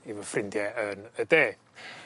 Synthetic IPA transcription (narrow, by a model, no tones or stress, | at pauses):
ivəfrɪndjɛənədeː